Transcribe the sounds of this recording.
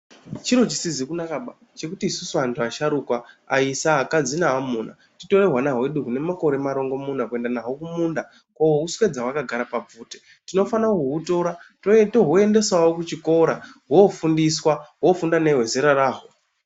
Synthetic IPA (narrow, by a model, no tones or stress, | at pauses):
t͡ʃiɾo̞t͡ʃisizikunakaɓa | t͡ʃe̞kutiːsusuantʰuaʃaɾukwaaisaːkad͡zinaːmuːna̰ | tito̞re̞ɦwanaɦwe̞ɗuɦune̞mako̞ɾe̞maɾo̞ŋɡo̞mundakue̞ndanaɦo̞kumunda | kowouswed͡zawakaɡʱaɾapab͡vuːte̥ | tino̞fanakuɦuto̞ɾatotoɦoe̞nde̞swawokut͡ʃiko̞ɾaɦofundiswaɦo̞fundane̞ɦwe̞ze̞ɾaraːɦo